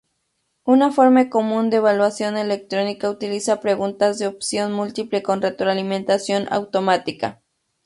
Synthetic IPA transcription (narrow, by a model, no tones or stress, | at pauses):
unafoɾmakomũnd̪eːβalwasjonelek̚t̪ɾonikaut̪ilisapɾeɣunt̪azðeopsjonmult̪iplekonret̪ɾoalimẽnt̪asjonʔa̰wt̪omat̪ika̰